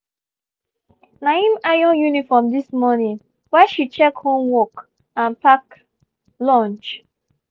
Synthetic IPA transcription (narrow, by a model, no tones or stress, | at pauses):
naĩmajɔ̃njunifɔmdismɔnĩŋ | wɛʃit͡ʃɛkhõmwɔk | ãnpak | lɔ̃nt͡ʃ